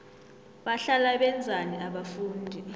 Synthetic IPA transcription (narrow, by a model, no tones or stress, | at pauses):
ɓaɬalaɓɛnd͡zʱaniaɓafuːndʱi